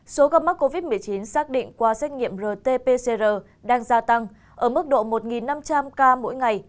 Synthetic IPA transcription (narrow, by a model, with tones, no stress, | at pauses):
so˨˦ɣə˧p̚ma˦˥k̚ːo˧vi˦˥t̚mɨ˨˩əjt͡ɕi˨˦nsaː˦˥k̚ɗḭ̈˧˨ŋ̟kwaː˧sɛ˦˥k̟̚ŋḭ˧˨əmzəː˨˩t̪e˧pe˧se˧zəː˨˩ | ɗaː˧ŋzaː˧t̪a˧ŋ | ʔəː˧˩mɨ˦˥k̚ɗo̰˧˨mo˨˩t̚ŋi˨˩nːa˧mt͡ɕa˧mkaː˧mo̰˧˥jŋa˨˩j